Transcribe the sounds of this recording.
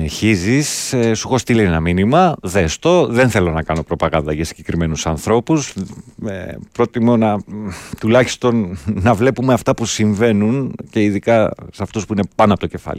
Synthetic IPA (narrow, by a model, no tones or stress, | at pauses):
neçizisesuxo̞st̪ilenenɐminimɐðest̪o̞ðe̞nθe̞lo̞nɐkɐno̞pɾo̞pɐɣɐnd̪ɐʝɐsiɲɟe̞kɾime̞nusɐnθɾo̞pusepɾo̞t̪imo̞nɐt̪ulɐçi̥st̪o̞nnɐvle̞pume̞ɐft̪ɐpusiɱve̞nunce̞iðikɐsɐft̪uspuine̞pɐnoɐpot̪oce̞fɐ̰li